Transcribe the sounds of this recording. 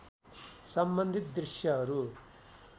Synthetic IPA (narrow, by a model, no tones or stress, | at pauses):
sɐmbɐnd̪ʱit̪̚d̪ɾiʂjaɾu